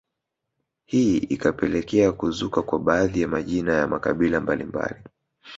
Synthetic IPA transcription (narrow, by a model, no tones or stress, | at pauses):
hiḭkapɛlɛkɛakuzukakwaɓaːðijamaʄinajamakaɓilambalimba̰li